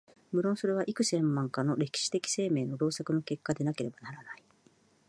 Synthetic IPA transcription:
mɯ̟ɾõ̞ñso̞ɾe̞βaʔikɯ̟sẽ̞mːãŋkano̞ɾe̞kʲi̥ɕi̥t̪e̞kʲi̥se̞ːme̞ːno̞ɾo̞ːsakɯ̟no̞ke̞kːad̪e̞nake̞ɾe̞banaɾanai

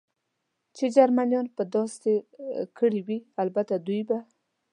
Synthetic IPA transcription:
t͡ʃed͡ʒaɾmanjɑnpəd̪ɑst̪ekʰəɽiwialbat̪ad̪ujba

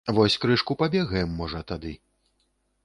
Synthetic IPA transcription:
vɔsʲkɾɨʂkupabʲɛɣɐjɛmːɔʐɐt̪ad̪ɨ

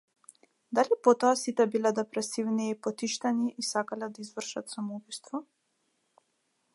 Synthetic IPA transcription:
d̪alipɔt̪ɔasit̪ɛbilɛd̪ɛpɾɛsivniːpɔt̪iʃt̪aniʔːsakalɛd̪aizvr̩ʃat̪samubist̪vɔ

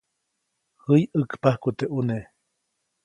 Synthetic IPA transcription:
hɨjəkpahkut̪eʔune

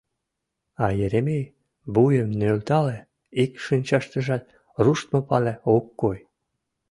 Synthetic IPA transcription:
ɑjeɾemej | bujəmnølt̪ɑle | ikʃinʲt͡ɕɑʃt̪ə̆ʒɑt̪̚ | ruʃt̪mopɑleokːoj

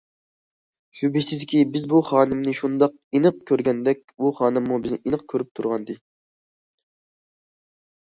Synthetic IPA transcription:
ʃubisɪzkʲibɪzbuχɑːnɨmnɨʃund̪ɑq | inɨq̚kʲʰøɾɡʲɛnd̪ɛkʲbuχɑːnɨmːubɪznɪ̰ʔinəqkʲʰøɾyp̚t̪ʰuɾʁɑnd̪ɨ

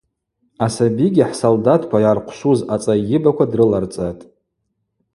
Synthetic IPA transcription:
asabiɡʲiħsoldatʰkʷʰajarqʷʰʃuzat͡sʼajɪbakʷʰadrɨlart͡sʼatʼ

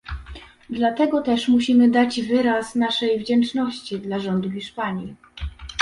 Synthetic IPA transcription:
d̪lat̪ɛɡɔt̪ɛʂmuɕimɘd̪ad͡ʑvɘɾasnaʂɛjvd͡ʑɛnt͡ʂnɔɕt͡ɕid̪laʐɔnd̪uxʲiʂpaɲi

